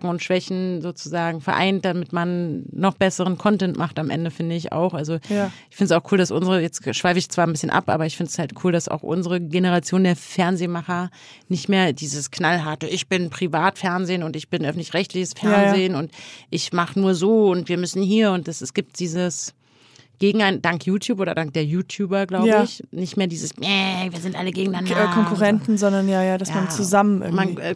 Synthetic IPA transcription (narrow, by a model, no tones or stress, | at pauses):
kŋ̩ʊntʃv̥ɛçn̩zoːt͡suzaːɡŋ̩fɛɐʔa̰ɪnt̚d̥amɪtmanːɔχb̥ɛsəʁ̞ənkʰɔntɛntmʔaχtamʔɛ̰ndəfɪndəɪça̰ʊxʔalzoʔɪçfɪndəsaʊxkʰuːldasʔʊnzəʁəjɛt͡stʃv̥aɪfəɪçt͡sv̥aːɐnbɪsçənʔa̰pʔa̰ːbɐɪçfɪndəshaltkʰuːldasa̰ʊxʔʊ̰nzəʁəɡenəʁ̞at͡sjoːndeːɐfɛɐnzeːmaχɐ | nɪçtmeːɐdiːzəskʰnalɦaɐtəʔɪçb̥ɪnpʁ̥ivaːtfɛɐnzeːnʊntɪçb̥ɪnʔœfn̩tlɪçʁɛçtlɪçəsfɛɐnzeːnʊntʔɪçmaχənuːɐzoːʊntv̥iːɐmʏsn̩hiːɐʊnt̚d̥asɛsɡ̥iːp̚t̚d̥iːzəs | ɡ̥eːɡŋ̩aɪnd̥aŋkjuːtʰjuːpoːdɐdaŋk̚d̥eːɐjuːtʰjuːbɐɡlaʊbəɪçnɪçtmeːɐdiːzəsɛviːɐzɪntʔaləɡeːɡŋ̩danakʰɔŋkuʁɛntn̩zɔndɐnjaːjaːdasjaant͡suzamənɪ̰manɛ